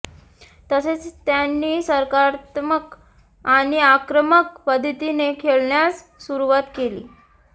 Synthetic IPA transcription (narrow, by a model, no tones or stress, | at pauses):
t̪əset͡st̪janːiːsəɾkaɾt̪mək | aɽ̃iakɾəməkpəd̪ʱt̪inekʰeɭɳjat͡sː | uɾuʋat̪kelḭː